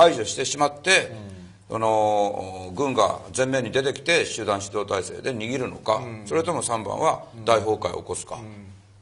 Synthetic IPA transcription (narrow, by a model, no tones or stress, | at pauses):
aiʑoɕi̥t̪e̞ɕimat̪ːe̞ | so̰no̞ | ɡɯ̟̃ŋɡa̰zẽ̞mːe̞ːɲ̟id̪e̞t̪e̞kʲi̥t̪e̞ɕɨːd̪ãɕi̥d̪o̞ːt̪aise̞̰ːd̪e̞ɲ̟iɡʲiɾɯ̟no̞̰kaso̞ɾe̞t̪o̞mo̞sãmbã̰βad̪aiɦo̞ːkaḭo̰ko̞sɨ̥ka̰